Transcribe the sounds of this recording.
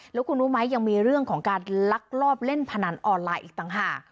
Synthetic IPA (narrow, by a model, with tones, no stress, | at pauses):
lɛː˦˥wkʰu˧nu˦˥ma˦˥jːa˧ŋmiː˧ɾɯ˥˩əŋkʰɔː˩˦ŋkaː˧nla˦˥k̚lɔː˥˩p̚le˥˩npʰa˧na˩˦nʔɔː˧nlaː˧jʔiː˨˩k̚t̪a˨˩ŋɦaː˨˩k̚